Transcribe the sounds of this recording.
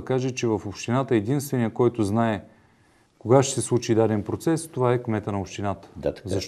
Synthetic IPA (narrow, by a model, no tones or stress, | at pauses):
kaʒɛt͡ʃɛvɐfopʃt̪inat̪əɛd̪inst̪vɛnijəkɔjt̪ʊznaɛ | koɡaʃt̪ɛ̥sɛslˠut͡ʃid̪ad̪ɛnpɾot̪sɛst̪ovaɛkmɛt̪ənɐopʃt̪inat̪ə̥zɐʃ